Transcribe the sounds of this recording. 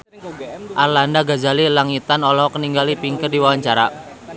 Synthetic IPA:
ʔarlandaɡad͡ʒalilaŋit̪anɔlɔɦɔkəniŋɡalipiŋkərdiwawaɲt͡ʃaɾa̰

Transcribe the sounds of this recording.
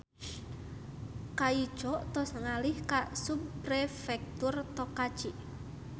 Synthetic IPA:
kaid̥ʒ̥ɔt̪ɔsəŋalɪhkasupɾefɛk̚t̪urt̪ɔkḁt͡ʃiʔ

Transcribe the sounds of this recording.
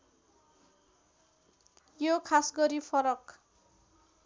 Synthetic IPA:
jokʰasɡʌɾipʰʌɾʌk

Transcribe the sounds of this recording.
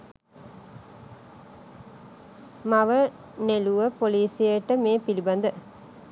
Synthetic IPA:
maʋə | neluʋəpoliːsijəʈːəmeːpilibɐnd̪ə

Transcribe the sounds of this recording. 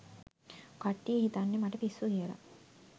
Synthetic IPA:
kaʈːijəɦit̪anːemaʈəpisːuɦiəla̰

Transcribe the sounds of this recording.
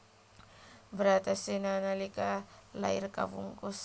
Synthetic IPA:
bəɾat̪asenanalikala̰irka̰vṵŋkos

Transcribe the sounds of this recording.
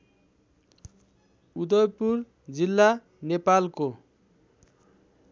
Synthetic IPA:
ud̪ʌjpur | d͡zilːa | nepalko

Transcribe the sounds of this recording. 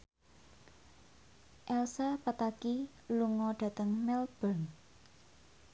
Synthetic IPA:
ʔɛlsapat̪aki | luŋɔɖ̥ä̤t̪əŋmɛlb̥ən

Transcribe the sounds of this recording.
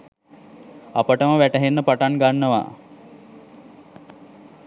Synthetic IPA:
apəʈəməʋæʈəɦenːəpaʈaŋɡanːəʋa̰

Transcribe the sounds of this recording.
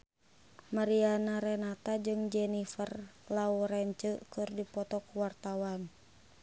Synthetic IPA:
maɾianaɾɛnat̪ad͡ʒɨŋd͡ʒɛnifərlauɾɛɲt͡ʃəkɨrdipɔt̪ɔkuwart̪awan

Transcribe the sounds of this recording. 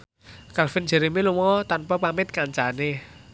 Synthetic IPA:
kalfɪnd͡ʒ̥ɛ̤ɾimilumɔt̪anpapamɪt̪̚kaɲt͡ʃane

